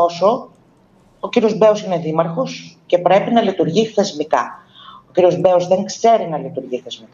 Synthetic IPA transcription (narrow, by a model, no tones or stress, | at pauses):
oso̞ | ociɾiozbe̞osine̞ðimɐɾxo̞sce̞pɾe̞pinɐlit̪uɾʝiθe̞zmikɐ | o̞ciɾio̞zbe̞ozðe̞ŋkse̞ɾinɐlit̪uɾʝiθe̞zmik